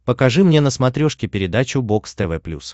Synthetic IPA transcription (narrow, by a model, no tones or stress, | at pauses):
pəkɐʐɨmnʲe̞nəsmɐt̪ɾʲoʂkʲɪpʲɪɾʲɪd̪at͡ɕʊbo̞kst̪ɛvɛplʲṵs